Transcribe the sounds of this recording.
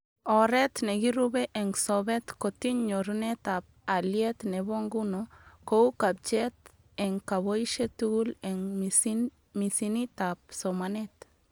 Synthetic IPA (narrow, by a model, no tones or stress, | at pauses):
oɾet̪neɡiɾubeʔeŋsobet̪kot̪iɲɲoɾunet̪ap̚aljet̪neβoŋɡunokoukab̚t͡ʃet̪ | eŋkaβoiʃet̪uɡuleŋ | misinit̪ap̚somanet̪